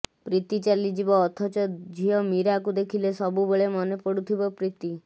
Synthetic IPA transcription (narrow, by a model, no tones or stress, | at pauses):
pɾit̪it͡ʃalid͡ʒibɔːt̪ʰɔt͡ʃɔd͡ʒʱiɔmiɾakud̪ekʰilesɔbuboɭemɔnepɔɽut̪ʰibɔpɾit̪i